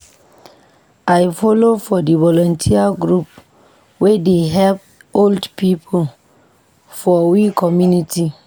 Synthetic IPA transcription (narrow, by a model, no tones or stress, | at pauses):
ajfɔlofɔdivɔlɔ̃ntʰiaɡɹup | wedeɦɛlp̚ | oldpipʰol | fɔwikʰɔmjunitʰi